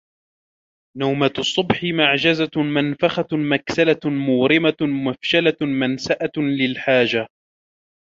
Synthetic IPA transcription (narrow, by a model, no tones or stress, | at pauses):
nawmat̪ʊsˤːʊbħɪmaʕd͡ʒazamanfaxamaksalamʊːɾɪmaʊmafʃalamansaʔalɪlħaːd͡ʒa